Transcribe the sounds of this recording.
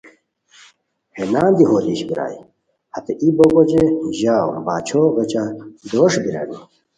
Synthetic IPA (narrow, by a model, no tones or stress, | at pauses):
henaːnd̪iɦoːliːɕbiɾa̰ːi | hɐt̪eʔiboɡod͡ʑeʑaːwbaːt͡ɕʰoɣɐt͡ɕad̪oʂbiɾa̰di